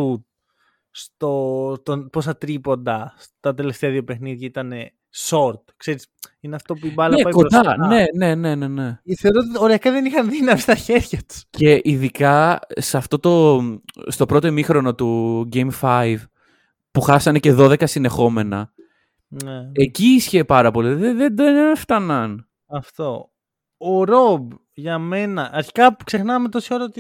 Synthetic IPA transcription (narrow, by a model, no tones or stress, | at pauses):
ut̪̚ | st̪ot̪onpos̬ɐt̪ɾipo̞nd̪ɐst̪ɐt̪e̞left̪eɐðiopexniðʝɐit̪ɐne̞ | so̞ɾt̪kse̞ɾisineɐft̪o̞puibɐlnɐepɐkond̪ɐne̞ne̞ne̞ne̞ne̞θeoɾot̪ioɾeɐkɐðe̞nixɐnðinɐmist̪ɐçe̞ɾʝɐt̪u̥sce̞ʔiðikɐseɐft̪o̞t̪o̞ | st̪o̞pɾo̞t̪omixɾo̞no̞t̪uɟejmfɐjv | puxɐsɐne̞ce̞ðoðe̞kɐsine̞xo̞me̞nɐ | neeciisçe̞pɐɾɐpo̞liðeðed̪eft̪ɐnɐn | ɐft̪o̞ | oɾob | ʝɐme̞nɐʔɐɾçi̥kɐksexnɐmet̪osioɾɐot̪i